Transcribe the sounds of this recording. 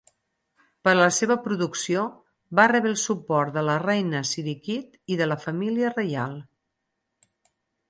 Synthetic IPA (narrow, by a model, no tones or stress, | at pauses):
pəɾləseβəpɾuðuksio | βarɛβɾelˠsupɔɾt̪̚d̪ələrɛjnəsiɾikit̪iðələfəmiliərəja̰lˠ